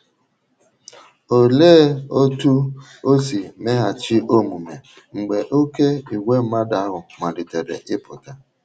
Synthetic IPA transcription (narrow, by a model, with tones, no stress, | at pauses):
o˨leː˦o˦tu˦ | o˦si˨me˦ɦa˨t͡ʃi˦o˦mu˨me˨ | ŋ͡m̩˨ɡ͡be˨ʔo˦ke˦i˨wʷe˦m̩˦ma˦da˨˦ɦʊ˨ma˨di˨te˨ɾḛ˨ʔɪ˦pʊ˨ta˦